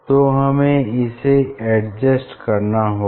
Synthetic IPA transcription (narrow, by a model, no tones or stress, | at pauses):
t̪oɦɐmẽɪseɛɖd͡ʒəsʈkɐɾnaɦo